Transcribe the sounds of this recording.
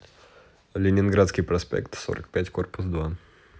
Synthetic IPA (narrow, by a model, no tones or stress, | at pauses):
lʲɪnʲɪnɡɾat̪skʲɪjpɾɐspʲḛkt̪so̰ɾə̰k̚pʲætʲkorpʊsd̪va